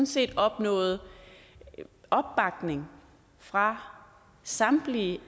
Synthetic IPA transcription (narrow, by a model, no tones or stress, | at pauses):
nse̝̰ːd̥ɒ̽b̥nɔ̰̽ːð̞̩ˠ | ʔɒ̽b̥ːɑ̈ɡ̥ne̝ŋ | fʁɑ̈ | sɑ̈mb̥li